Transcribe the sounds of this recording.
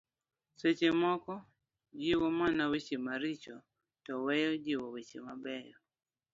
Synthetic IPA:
set͡ʃemɔkɔ | d͡ʒɪwɔmanawit͡ʃemaɾit͡ʃɔ | tɔwɛjɔd͡ʒɪwɔwet͡ʃemabɛjɔ

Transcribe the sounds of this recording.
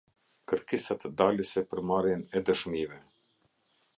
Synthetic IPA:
kəɾkɛsat̪əd̪aləsɛpəɾmaɾjɛnɛd̪əʃmivɛ

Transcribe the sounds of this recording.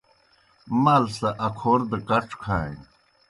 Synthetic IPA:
mɐlsɐʔɐkʰoːɾd̪əkɐʈ͡ʂkʰaːin

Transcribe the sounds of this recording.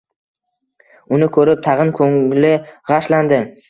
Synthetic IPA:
ʊnɪkʰɵɾɪp̚t̪ʰɑʁɨnkʰɵŋlɪʁɑʃland̪ɪ

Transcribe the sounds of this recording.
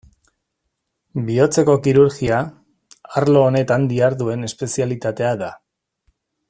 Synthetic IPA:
bio̞t͡se̞ko̞kiɾuɾɣiaː | ɾlo̞ːne̞t̪and̪iaɾðue̞ne̞spe̞sialit̪at̪e̞aða

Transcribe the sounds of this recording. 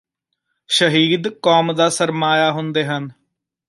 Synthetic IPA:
ʃəɦiːd̪kɔːmd̪aːsəɾmaːjaːɦʊnd̪eːɦən

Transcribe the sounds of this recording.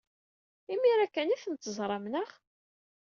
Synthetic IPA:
imiɾækːæniθənt̪ːəzˤɾˤɑmnəχ

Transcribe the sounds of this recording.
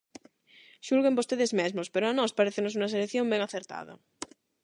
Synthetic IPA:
ʃulɣembost̪eðezmezmospeɾoanɔspaɾeθenosunɐselekθjõmbeŋaθeɾt̪a̰ðɐ̰

